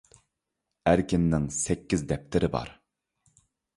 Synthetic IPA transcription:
æɾkʲinːɪŋsɛkʲːizd̪ɛp̚t̪ʰɪɾɪbɑ̰ɾ

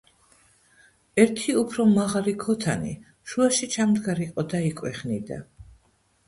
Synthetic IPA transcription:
ɛɾt̪ʰiupʰɾɔmaʁalikʰɔt̪ʰanḭ | ʃuaʃit͡ʃʰamd̪ɡaɾiqʼɔd̪aikʼwɛχnid̪a̰

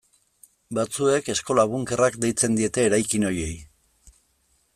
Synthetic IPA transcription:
bat͡sue̞ke̞sko̞laβ̞uŋke̞rakd̪e̞jt͡se̞nd̪ie̞t̪e̞ːɾajkino̞je̞j

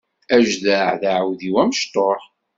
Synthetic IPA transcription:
æʒðæʕðaʕwðiwæməʃt̪ˤoħ

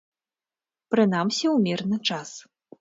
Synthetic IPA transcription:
pɾɨn̪amsʲiwmʲɛrnɨt͡ʂas

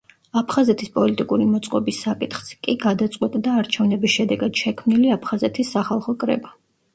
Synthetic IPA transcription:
apʰχazɛt̪ʰispʼɔlit̪ʼikʼuɾimɔt̪sʼqʼɔbisːakʼit̪χz̥kʼiɡad̪at̪sʼqʼwɛt̪ʼd̪aːɾt͡ʃʰɛvnɛbisʃɛd̪ɛɡad̪̥ʃɛkʰmniliapʰχazɛt̪ʰisːaχalˠχɔkʼɾɛ̰ba

